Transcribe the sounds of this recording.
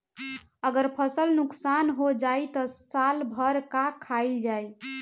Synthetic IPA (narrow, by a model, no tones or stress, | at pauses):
əɡəɾpʰəsəlnuksanɦod͡ʒajt̪ɔstalbʱəɾkakʰald͡ʒaj